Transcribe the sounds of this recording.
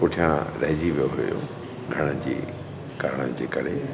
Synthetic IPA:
pʊʈʰijãɾɐɦd͡ʑiʋijoɦʊjo̰ | ɡʱɐɽ̃əd͡ʑḭː | kaːɾəɽ̃əd͡ʑḛːkɐɾe

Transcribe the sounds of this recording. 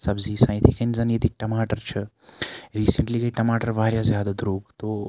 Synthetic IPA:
sɐbzisãːj̃t̪ʰikɐnzɐnet̪ik̚ʈɐmaːʈəɾt͡ʃʰe | ɾiːsəɳʈliːkəiʈɐmaːʈəɾʋaːɾjazjaːd̪ad̪ɾoːɡt̪o

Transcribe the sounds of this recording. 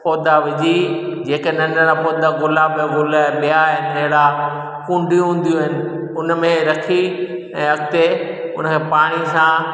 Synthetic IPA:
pɔːd̪aʋɪʄid͡ʑeːkenɐ̃ɳɖəɾapoːd̪aɡʊlaːbɡʊlɓijaɦɪneɦɪɽa | kũːɳɖʱiũɦũːn̆d̪jũɦɪnɪ̆ʊnmẽɾɐkʰi | ɛ̃ːɦɐɡ̚t̪eʊnəkʰeːpaːɽ̃isã

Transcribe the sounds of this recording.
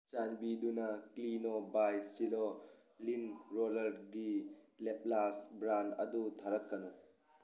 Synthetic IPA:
t͡ʃanbidunɐklinobajsilo | linɾolɐɾɡilep̚lasbɾandɐ̰dutʰaɾɐkːɐnɐ

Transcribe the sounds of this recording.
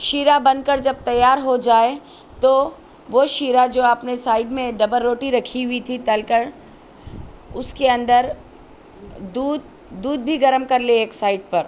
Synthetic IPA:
ʃiːɾabɐ̃n̚kəɾd͡ʒɐb̚t̪ɐjːaːɾɦod͡ʒaːe | t̪o | ʋoʃiːɾad͡ʒoːɐpnesaːɪɖmẽɖɐbəlːoːʈiɾɐkʰiɦʊit̪ʰit̪ɐlkəɾ | ʊskeɐ̃nd̪əɾ | d̪uːd̪ | d̪uːd̪̚bʱiɡɐɾəmkɐɾleeːksaːɪɖ̚pɐɾ

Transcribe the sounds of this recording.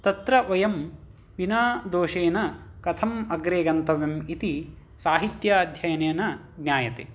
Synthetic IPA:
t̪ɐt̪ɾɐʋɐjɐm | ʋinaːd̪oːʃeːnɐkɐt̪ʰɐmɐɡɾeːɡɐnt̪ɐʋemit̪i | saːɦit̪jɐd̪ʱjɐjɐneːnɐ | ɡnʲjaːjɐt̪ḛː

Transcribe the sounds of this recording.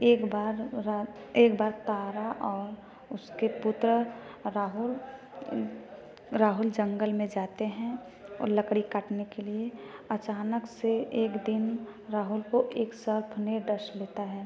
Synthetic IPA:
eːkbaːɾaeːkbaːɾt̪aːɾaʔɔːɾ | ʊskepʊt̪ɾəɾaːɦʊl | ɾaːɦʊld͡ʒə̃ŋɡəlmẽd͡ʒaːt̪eɦɛ̃ | ɔ̰ːɾləkɽikəʈnekelieɐt͡ʃaːnəkseeːkd̪ɪnɾaːɦʊlkoʔeːksəɾpʰneɖəɾʃleːt̪aɦɛː

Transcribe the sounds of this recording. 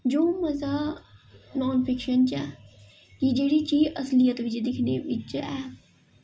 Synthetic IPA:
d͡ʒoːməzaː | nɔːnpʰɪkʃənt͡ʃɛː | kid͡ʒeːɽiːt͡ʃiːʔəslɪjət̪ʋɪt͡ʃd̪ɪkʰneʋɪt͡ʃɛː

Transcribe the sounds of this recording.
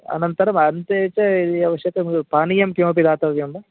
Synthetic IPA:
ɐ̰nɐnt̪ɐɾɐmɐnt̪eːt͡ʃɐid̪iɐʋɐʂjɐk̪ɐmɡupaːnijɐmkjoːp̬id̪aːt̪ɐʋjɐmɖɐ

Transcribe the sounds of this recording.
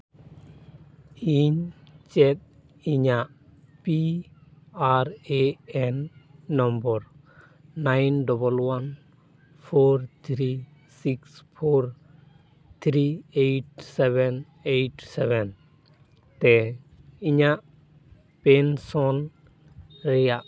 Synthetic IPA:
iɲt͡ʃɛt̪̚ | iɲaʔ | pi | aɾeɛnːɔmbɔɾ | najnɖɔbɔlwan | pʰoɾt̪ʰɾi | sikspʰoɾ | t̪ʰɾiejʈ̚sɛβɛn | ejʈsɛβɛn | t̪ɛ | iɲaʔ | pɛnsɔn | ɾɛjaʔ

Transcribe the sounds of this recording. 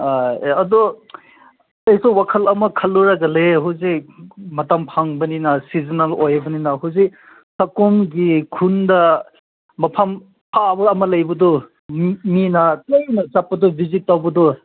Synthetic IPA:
aɐdɔ | tɐjsowwakʰɐlɐmɐkʰɐlːuɾɐɡɐleɦuwzikmɐtampʰaŋbɐninɐsizinɐlojbɐninɐɦuzik | sɐkomɡikʰundɐ | mɐpʰam | pʰabɐːmɐlɐjbɐdɔ | minɐtɐjnɐsapːɐdɔbʱizit̚tawbɐdɔ

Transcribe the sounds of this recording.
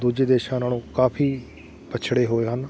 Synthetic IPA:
d̪uːd͡ʒeːd̪eːʃãːnaːlũːkaːpʰiː | pət͡ʃʰɽeːɦoːeːɦən

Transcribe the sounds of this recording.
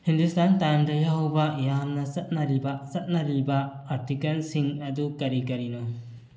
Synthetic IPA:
hindustʰantandɐjawbajamːɐsɐt̚nɐɾibasɐt̚nɐɾiba | aɾtikɐlsiŋɐdukɐɾikɐɾinɔ

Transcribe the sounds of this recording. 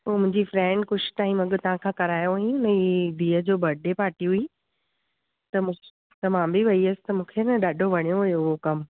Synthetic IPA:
oːmʊ̃ɦɪ̃ɲd͡ʑifɾɛ̃ːɳɖkʊʃ̆t̪aːɦĩmɐɡət̪ɐʋ̤ãkʰãːkɐɾaːjoɦĩʊnb̪ʱiːəd͡ʑoːbʱɐɾɖʱepaːʈiɦʊi | t̪ɐ̃ | t̪ɐmãːbiʋɐiɐsɪ̥t̪ɐmũːkʰenɐɗaːɖʱoʋɐɽ̃ijoɦʊjoʊɦokɐm

